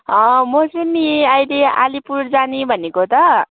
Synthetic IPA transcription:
ʌmosinːiajlea̰lipuɾd͡zanibʱʌnekot̪ʌ

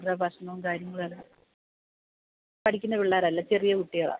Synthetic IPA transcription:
rɐbʱɐʂɐnɐmkaːɾjɐŋːɐɭalːɐ | pɐʈikʲːunːɐʋiɭːaːɾɐlːat͡ɕerijɐkuʈːijɐɭa̰

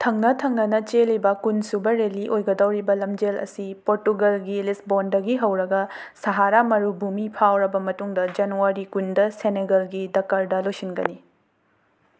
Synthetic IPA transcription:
tʰɐŋnɐtʰɐŋnɐnɐt͡ʃelibɐkunsubɐɾeliʔojɡɐdɐwɾibɐlɐmd͡ʒelɐ̰sipoɾtuɡɐlɡilisbondɐɡiɦɐwɾɐɡɐsɐɦaɾamɐɾubumipʰawɾɐbɐmɐtuŋdɐd͡ʒɐnuaɾikundɐseneɡɐlɡidɐkːaɾdɐlojsinɡɐni

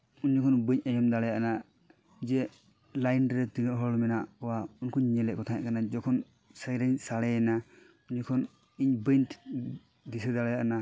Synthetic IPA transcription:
unɲikʰɔnbəɲajɔmd̪alajaʔna | d͡ʒɛ | lajnɾɛt̪inɔʔɦɔlmɛnaʔɔwaunkʰɔɲɲɛlɛkʰɔt̪ʰajaʔkanad͡ʒɔkʰɔn | səjɾaɲsaɽɛna | uɲɲikʰɔn | iɲbəntʰ | d̪isɛd̪alajaʔana

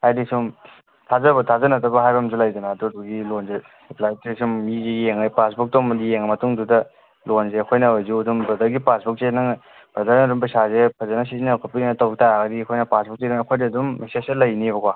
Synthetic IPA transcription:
hajdisum | tʰazɐbɐtʰazɐnɐtɐbɐɦajbɐmzulajdɐnaːduduɡilonze | siplajtisumːizejeŋɐpasbuk̚tomdijeŋmɐtuŋdudɐ | lonzeɐkʰojnɐojzuɐdumbɐdɐɾɡipasbuk̚zenɐŋ | b̥ɾɐdɐɾnɐdumbisazepʰɐzanas̬izinakʰapinnɐtawɡitaɡɐdiɐkʰojnɐpasbuk̚seduɐkʰojdɐdumːeseselɐjniβɐkwa

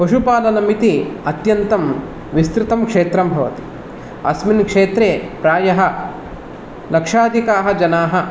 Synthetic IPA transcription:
pɐʃupaːlɐnɐmit̪iɐt̪jɐnt̪ɐm | ʋist̪ɾit̪ɐmkʂeːt̪ɾɐmbʱɐʋɐ̰t̪i̥ | ɐ̰sminkʂeːt̪ɾeːpɾaːjɐɦɐ̆ | lɐkʂaːd̪ʱikaːɦɐd͡ʒɐnaːɦɐ̆

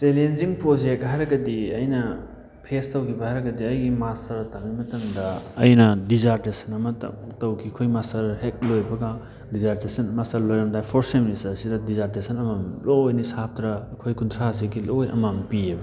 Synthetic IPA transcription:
t͡ʃelenziŋpɾod͡ʒek̚t̚ɦajɾɐɡɐdiɐjnɐ | pʰestɐwkʰibɐhajɾɐɡɐdiɐjɡimastɐɾtaŋimɐtɐŋdɐ̰ːjnɐdizaɾtesɐnɐmɐttɐwkʰikʰojmastɐɾhek̚lojbɐɡa | dizaɾtesɐnmastɐɾlojɾɐndajpʰoɾseministɐɾsidɐdizaɾtesɐnɐmamlojnisap̚tɾɐːkʰojkuntʰɾas̬ikilojɐ̰mampiebɐ

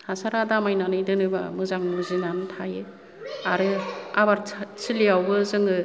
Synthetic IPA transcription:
hasaɾadamajnanɯjdɯnɯba̰mɯzaŋmɯzinantʰajɯ | aɾɯabaɾt͡sɯliawɡɯzɯŋɯ

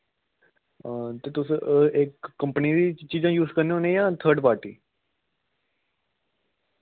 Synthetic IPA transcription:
t̪eːt̪ʊsekːə̃mpəniːd̪iːt͡ʃiːd͡ʒãːjuːzkəɾneoːnẽːjãːt̪ʰəːɾɖpaːɾʈḭː

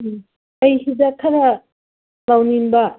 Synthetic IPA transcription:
ɐjɦidakʰɐɾɐ | lawninbɐ

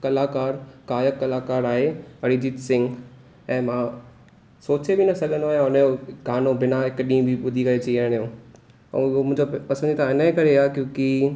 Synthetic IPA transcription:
kɐlaːkaːɾkaːjəkːɐlaːkaːɾaːɦeɐɾid͡ʑitsɪ̃ŋɡ | ɛ̃ːmãː | soːt͡ɕebinɐsɐɡʱə̃nd̪oaːɦijãʊnjoɡaːnobɪnaɪkɗĩːbʱiɓʊd̪ʱikɐet͡ɕiiəɽ̃jõː | ɛ̰̃ɦomʊ̃ːɪ̃d͡ʑopɐsə̃nd͡ʑit̪ʰãɪnəikɐɾeaːkjõːki

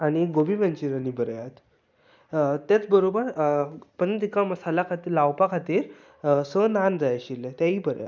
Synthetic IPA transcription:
aɽ̃iɡobimənt͡ɕiɾanibəɾjat̪ | t̪jat͡sbəɾobəɾpənt̪ikaməsalakʰat̪iːɾlawpakʰat̪iːɾ | sənand͡zajaɕilːet̪jaɦiːbəɾja̰t̪

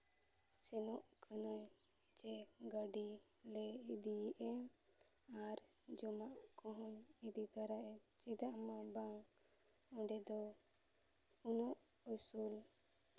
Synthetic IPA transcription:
sɛnɔʔkʰanɔɲ | d͡ʒɛɡəɖi | lɛid̪iʔɛ | aɾd͡ʒɔmaʔkɔɦɔnid̪it̪aɾaʔɛt͡ʃid̪aʔmabaŋ | ɔɖɛd̪ɔ | unɔʔ | ɔsul

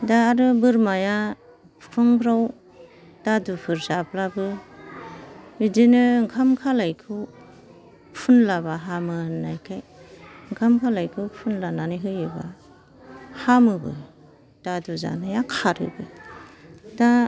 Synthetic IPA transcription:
daːɾɯbɯɾmaja | pʰɯŋbɾaw | d̥adupʰɯɾzaplabɯ | bidinɯŋkʰamkʰalajkʰɯ | pʰunlabaɦamɯnajkʰajɯŋkʰamkʰalajkʰɯpʰunlananiɦɯjɯba | hamɯbɯ̰ | d̥aduza̰najakʰaɾɯ̰bɯ | da

